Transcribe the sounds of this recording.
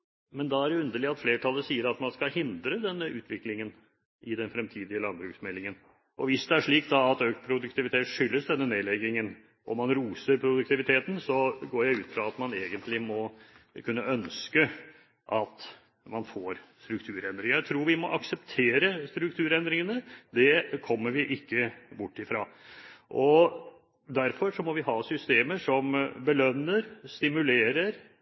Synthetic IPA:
mɛnd̪ɑæɾjɛʉnd̪əɭɪɑt̪fleːʈʰɑlːəsiːəɾɑt̪mɑnskɑhɪnd̪ɾəd̪ɛnːəʔʉ̰ːt̪ʰʋɪklɪŋən | ʔɪd̪ɛnfɾɛmt̪ʰiːd̪ɪəlɑnbɾʉːksmɛlːɪŋən | ʔɔʋɪsd̪ɛæʂɭiːkd̪ɑɑt̪øːkt̪̚pʰɾʊd̪ʉkt̪ɪʋɪt̪ʰeːt̪ʂʏlːəsd̪ɛnːəneːlɛɡːɪŋən | ʔɔ̰mɑnɾuːsəɾpʰɾʊd̪ʉk̚t̪ɪʋɪt̪ʰeːt̪n̩sɔɡoːjæɪʉːt̪fɾɑɑt̪mɑneːɡənt̪lɪmɔkʰʉnːəʔœnskə | ʔɑt̪ | mɑnfoːɾst̪ɾʉk̚t̪ʰʉːɾɛnd̪ɾɪŋəɾjæɪt̪ʰɾuːɾʋɪmɔʔɑksəpt̪ʰeːɾəst̪ɾʉk̚t̪ʰʉːɾɛnd̪ɾɪŋənəd̪ɛkʰɔmːəɾʋɪʔɪkːəbʊʈːɪfɾɑːʔɔ | d̪æɾfɔʂɔmɔʋɪɦɑːsʏst̪eːməʂɔmbəlœnːəɾst̪ɪmʉleːɾəɾ

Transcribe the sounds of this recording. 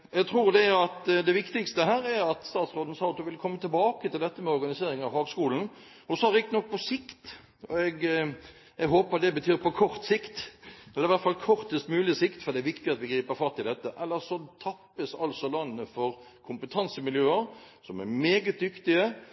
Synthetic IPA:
ɛɡt̪ʰɾuːɾd̪ɛæɾɑt̪d̪ɛʋɪkt̪ɪkst̪əɦæːɾæɾɑt̪st̪ɑːt̪sɾoːd̪n̩sɑʊt̪ʊʋɪlkʰɔmːət̪ʰɪlbɑːkət̪ɪld̪ɛt̪ːəmɛɔɾʁɡɑnɪseːɾɪŋɑʋhɑːɡskuːln̩ | ɔsɔhɑd̪ɛɪkt̪nɔk̚ːpʰɔsɪkt̪ | ɔɛɡ | ɛɡɦoːpəɑt̪̚d̪ɛbət̪ʰyːɾpɔkʰɔɾt̪sɪkt̪ɛlːəɾɪʋæʁt̪fɑlkʰɔɾt̪əst̪mʉːlɪəsɪkt̪fɔɾd̪ɛæɾʋɪkt̪ɪɑt̪ʋɪɡɾiːpəɾfɑt̪ʰːɪld̪ɛt̪ːəʔɛlːəɾsɔt̪ʰɑpːəsɑ̰lsɔlɑnːəfɔɾ | kʰʊmpət̪ʰɑnsəmɪljøːəɾ | sɔmæɾmeːɡət̪̚d̪ʏkt̪ɪə

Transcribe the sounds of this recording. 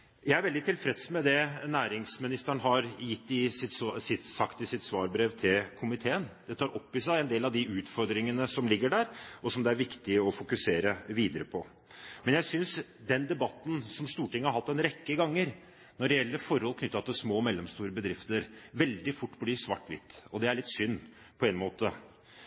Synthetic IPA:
jæɪæɾʋɛld̪ɪt̪ʰɪlfɾɛt̪smɛd̪ɛnæːɾɪŋsmɪnɪst̪əɳɦɑɾjɪt̪ːɪsɪt̪sɪt̪sɑkt̪ɪsɪt̪sʋɑːɾbɾeːʋt̪ʰɪlkʰʊmɪt̪ʰeːənd̪̥ɛt̪ʰɑːɾʔɔpːɪsæɪɛnd̪eːlɑʋd̪ɪʔʉːt̪fɔɾd̪ɾɪŋənəsɔmlɪɡːəɖæːɾɔsɔmd̪ɛæɾʋɪkt̪ɪəɔfʊkʉseːɾəʋiːd̪əɾəpʰɔ | mɛnjæɪsʏnsd̪ɛnd̪ɛbɑt̪ːn̩sɔmst̪uːʈɪŋːəhɑɾhɑt̪ːɛnɾɛkːəɡɑŋːəɾ | nɔɖɛɛlːəɾfɔɾhɔlkʰnʏt̪ːɑt̪ʰɪsmoːmɛlːəmst̪uːɾəbəd̪ɾɪft̪əɾʋɛld̪ɪfʊʈːbliːsʋɑʈːʋɪ̰t̪ːɔd̪ɛæɭɪt̪ːsʏnː | pʰɔɛnmoːt̪ə

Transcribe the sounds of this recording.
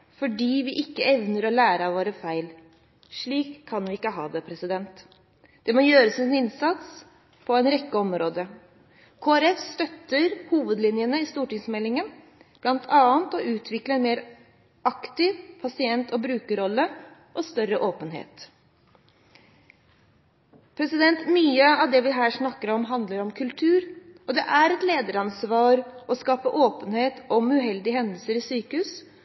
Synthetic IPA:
fɔɖiːʋɪʔɪkːəɛʋnəɾɔlæːɾəɑʋoːɾəfæɪl | ʂɭiːkʰːɑnʋɪɪkːəɦɑ̰ːd̪ɛpʰɾɛsɪd̪ɛnt̪ | d̪̥ɛmɔjøːɾəsɛnɪnsɑt̪s | pʰɔɛɪnɾɛkːəɔmɾoːd̪ə | kʰoːæɾɛfst̪œt̪ːəɾhuːʋəd̪lɪnjənəɪst̪uːʈɪŋsmɛlːɪŋən | b̥lɑnt̪ʰɑːənt̪ɔʔʉːt̪ʰʋɪkləɛnmeːɾ | ɑkt̪ɪʋpʰɑsɪɛnt̪ʰɔbɾʉːkəɾɔlːə | ʔɔst̪œɾəʔoːpənhḛːt̪ | pʰɾɛsɪd̪ɛnt̪myːəɑʋd̪ɛʋɪɦæːʂnɑkːəɾɔmɦɑnd̪ləɾɔmkʰʉlt̪ʰʉːɾɔd̪ɛʔæɾɛt̪leːd̪əɾɑnsʋɑːɾɔskɑːpəʔoːpənheːt̪ɔmʉɦɛld̪ɪhɛnd̪əlsəɾɪsyːkəhʉːs

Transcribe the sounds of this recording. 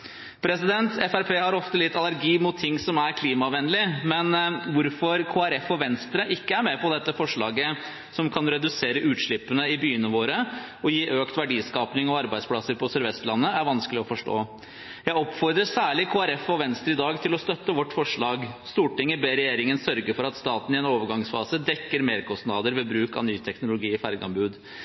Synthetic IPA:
pʰɾɛsɪd̪ɛnt̪ʰɛfæɾpʰeːhɑɾɔft̪əlɪt̪ːɑlæɾɡiːmʊt̪ʰːɪŋːsɔmæɾkʰliːmɑʋɛnːəlɪmɛnʋʊɾfɔɾkʰoːæɾɛfɔʋɛnst̪ɾəʔɪkːəæɾmɛpʰɔd̪ɛt̪ːəfɔʂɭɑ̰ːɡə | sɔmkʰɑnɾɛd̪ʉseːɾəʔʉːt̪ʂɭɪpːənəɪbyːənəʋoːɾə | ɔjiːʔøːkt̪ʋæɖiːskɑːpnɪŋɔɑɾbæɪspʰlɑsəɾpʰɔsœɾʋɛst̪lɑnːəæɾʋɑnskəlɪɔfɔʂʈo̰ː | jæɪɔpːfɔɾd̪ɾəsæːɭɪkʰoːæɾɛfɔʋɛnst̪ɾəɪd̪ɑːɡt̪ʰɪlɔst̪œt̪ːəʋɔʈːfɔʂɭɑːɡst̪uːʈɪŋːəbeːɾɛjeːɾɪŋənsœɾɡəɾfɔɾɑt̪st̪ɑːt̪n̩ɪɛnoːʋəɾɡɑŋsfɑːsəd̪ɛkːəɾmeːɾkʰɔsnɑːd̪əɾʋɛbɾʉːkɑ̰nyːt̪ʰɛknʊlʊɡiːfæɾɡɑ̰mbʉːd̪

